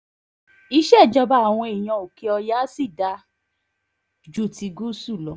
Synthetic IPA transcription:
i˦ʃɛ˦˨d͡ʒɔ˧ba˧˦a˨w̃ɔ̃˧e˨j̃ã˨˧˨o˨ke˧˦ɔ˧ja˦si˦˨da˧ | d͡ʒu˦˨ti˧ɡu˦su˦˨lɔ˨˦

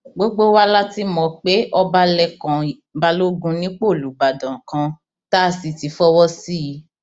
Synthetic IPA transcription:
ɡ͡bo˦ɡ͡bo˦wa˦la˦ti˦mɔ̃˨k͡pe˨˦ʔɔ˦ba˧lɛ˧kã˨ | ba˧lo˦ɡũ˧˦nĩ˨˦k͡po˦˨lu˨˦ba˨dã˨kã˧ | ta˦˨si˨ti˨˦fɔ˦wɔ˦si˦ji˨˦

